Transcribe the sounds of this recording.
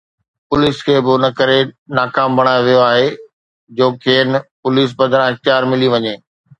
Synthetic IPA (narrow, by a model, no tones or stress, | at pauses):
pʊliːskʰeːbɪnɐkɐɾenaːkaːmbʱɐɽ̃aːjoʋijoaːɦe | d͡ʑoːkʰeːnpʊliːs̬bɐ̃d̪ɾãɪx̚t̪ɪjaːɾmɪliʋɐɲeː